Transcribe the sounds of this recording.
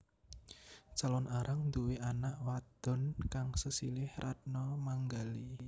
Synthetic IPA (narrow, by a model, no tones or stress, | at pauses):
t͡ʃalɔnaɾʔaŋnd̪uweʔanaʔwad̪̥ɔ̤nkaŋsəsilɪhrʔat̪̚nɔmaŋɡali